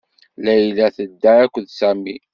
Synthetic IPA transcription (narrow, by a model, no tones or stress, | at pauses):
læjlæθəd̪ːaɾækʷːðsæmi